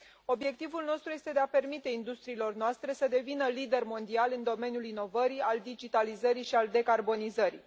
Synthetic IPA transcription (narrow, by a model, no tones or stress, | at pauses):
o̞bje̞k̚t̪ivulno̞st̪ɾuje̞st̪e̞d̪e̞ape̞rmit̪e̞ind̪ust̪ɾiːlo̞rnoast̪ɾe̞səd̪e̞vinəlid̪e̞rmo̞nd̪ialɨnd̪o̞me̞niulino̞vəɾiald̪id͡ʒit̪alizəɾiʃiald̪e̞karbo̞nizəɾḭ